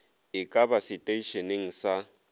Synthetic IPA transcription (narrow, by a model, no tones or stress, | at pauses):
ɪkʼabasɪtʼeiʃɔneŋ̩sa